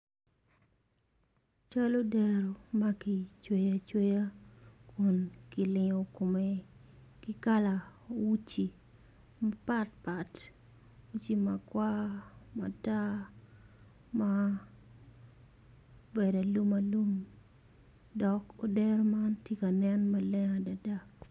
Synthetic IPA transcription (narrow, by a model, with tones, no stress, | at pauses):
t͡ʃa˦lo˦dɛ˨ɾo˨ma˦kɪ˨t͡ʃwe˦ja˨t͡ʃwe˦ja˦kʰu˨nkɪ˨lɪ˨ŋo˨ko˨me˨ | kɪ˦ka˦la˨wu˦t͡ʃi˨ | ma˦pa˦t̚pa˨t | wu˦t͡ʃi˦ma˨kwa˦ma̰˨ta˦ | ma | be˨da˨lu˦ma˨lu˦m | dɔ˨ko˨dɛ˦ɾo˦mantje˦ka˨nɛ˦nma˦lɛ˦ŋa˨da˨da˦